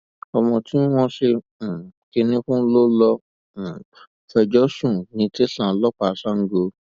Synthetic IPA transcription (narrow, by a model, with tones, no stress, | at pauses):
ɔ˧mɔ̃˧tʰi˦w̃ɔ̃˦ʃẽ˧˨ | ke˧nĩ˧˦kũ˦lo˦lɔ˧˨ | fɛ˧d͡ʒɔ˦sũ˦˨nĩ˧˦te˦ɬã˨˦lɔ˦k͡pa˨˦sã˦ŋ̩˦ɡo˧